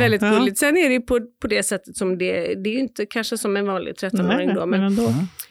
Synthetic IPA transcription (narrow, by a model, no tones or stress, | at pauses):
ɛld̪ɪt̪̚ɡɵlːɪt̪sɛnːæɾɛjɵpʰɔpʰɔd̪ɛsɛt̪ːət̪sɔmd̪ɛd̪ɛːɾjʏɪnt̪əkʰanʂəsɔmɛnvɑːnlɪ̰ɡ̚t̪ʰɾɛt̪ːɔnoːɾɪŋd̪omɛn